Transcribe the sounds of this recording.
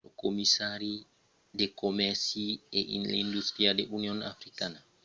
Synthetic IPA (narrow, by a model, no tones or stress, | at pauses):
ɔkomisaɾi | dɛkomɛɾsiɛʔḭindust̪ɾiadɛʔuniɔna̰fɾikana